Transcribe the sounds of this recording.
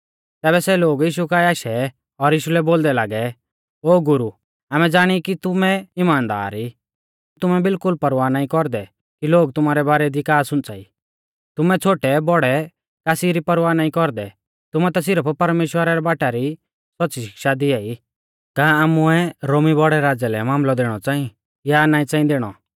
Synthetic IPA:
t̪ɛːβɛsɛloːɡiːʃ̬ukaiaːʃɛ | ɔɾjiːʃulɛboːld̪ɛlaːɡɛ | oːɡʊɾu | aːmɛd͡zaːɽ̃ikit̪ʊmɛɪmaːnd̪a̰ːɾi | t̪ʊmɛbɪlkʊlpɐɾʋaːnaːĩkɔɾd̪ɛ | kiloːɡt̪ʊmaːɾɛbaːɾɛd̪ikaːɾsʊ̃nt͡sa̰ḭ | t̪ʊmɛt͡sʰoːʈɛbɔɽɛ | kaːsiɾipɐɾʋaːnaːĩkɔɾd̪ɛ | t̪ʊmɛt̪as̬ɪɾəppɐɾmeːʃwəɾaɾɛbaːʈaɾi | sɔtːsiʃɪ̥kʃad̪ɪai | kãːaːmʊɛɾoːmibɔɽɛɾaːd͡zɛlɛmaːmlɔd̪eːɽ̃ɔt͡sãːĩ | janaːĩt͡sãːĩd̪eːɽ̃ɔ̰

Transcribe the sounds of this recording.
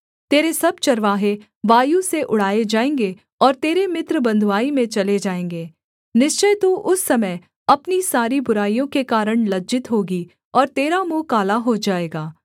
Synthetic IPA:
t̪eːɾesɐb̚t͡ʃɐɾʋaːɦe | ʋaːjuseʔʊɽ̤aːed͡ʒaːẽːŋɡe | ɔːɾt̪eːɾemɪt̪ɾəbɐ̃nd̪ʱʋaːimẽt͡ʃɐled͡ʒaːẽːŋɡeː | nɪʃt͡ʃəjt̪uʔʊsːɐməj | ɐpnisaːɾibʊɾaːijõkekaːɾəɽ̃lɐd͡ʒɪt̪ɦoːɡi | ɔːɾt̪eːɾamukaːlaɦod͡ʒaːeːɡaː

